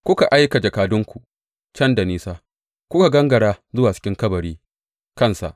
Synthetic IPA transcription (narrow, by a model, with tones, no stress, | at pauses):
kʷʊ˦ka˨ʔa˦jka˨d͡ʒɐ˨kaː˨dʊ˦ŋkʷu˨ | t͡ʃɐ˦nda˨niː˦saː˦ | kʷʊ˦ka˨ɡɐ˦ŋɡɐ˨ɽaː˦zʊ˦waː˨t͡ʃɪ̥˦kʲɪ˦ŋkɐ˦bɐ˨ɽiː˦ | kɐ˦˨nsa̰˨ʔ